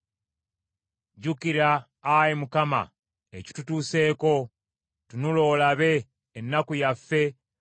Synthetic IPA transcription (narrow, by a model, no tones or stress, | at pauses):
ɟukiɾaː | jimukama̰ | eci̥tutuːse̞ːko̞ | tunulo̞laβe̞ː | nːakujafːe̞